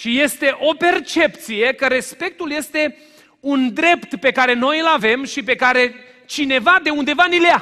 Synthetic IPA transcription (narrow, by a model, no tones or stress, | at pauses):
ʃije̞st̪e̞ʔo̞pe̞rt͡ʃe̞pt̪sije̞kəɾe̞spe̞k̚t̪ulje̞st̪e̞ | und̪ɾe̞pt̪pe̞kaɾe̞no̞jɨlave̞mʃipe̞kaɾe̞ | t͡ʃine̞vad̪e̞und̪e̞vanilea